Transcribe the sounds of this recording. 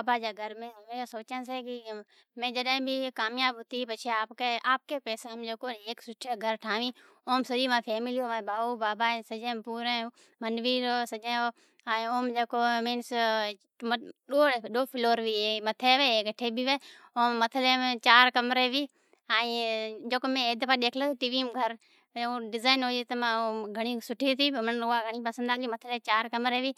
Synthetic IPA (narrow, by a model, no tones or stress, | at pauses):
aːbaːd͡ʒaːɡʱəɾmẽːɦʊmẽasoːt͡ʃə̃ns̬eːki | mẽːd͡ʒəɗẽbʱiːkaːmjaːbɦʊt̪iːpət͡ʃʰeaːpkeːaːp̚keːpeːseɦəmd͡ʒeːkoːeːksʊʈʰeːɡʱəɾʈʰaːʋĩː | oːmsəiːmãːpʰeːmɪliːoːʋãːbaːuːbaːbaːsəd͡ʒẽːpuːɾẽː | mənʋiːɾoːsəd͡ʒẽːoː | ɛ̃oːmd͡ʒeːkoːmeːns | ɗoːɗoːpʰɪloːɾʋiːemət̪ʰeːʋeːɡəʈʰeːbiʋeː | oːmːət̪ʰəleːmt͡ʃaːɾkəmɾeːʋiː | aːid͡ʒoːkmẽeːd̪paːɗeːkʰleʈiːʋiːmɡʱəɾ | õːɖɪzaːɪnɦoːiːt̪əmãoːɡʱəɽ̃iːsʊʈʰiːt̪ʰiːmənʊaːɡʱəɽ̃iːpəsənd̪aːɡiːmət̪ʰəleːt͡ʃaːɾkəmɾeːʋiː